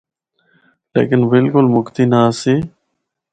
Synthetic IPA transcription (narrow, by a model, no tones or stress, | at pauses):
lḛːkɪnbɪlkʊlmʊkt̪iːnasiː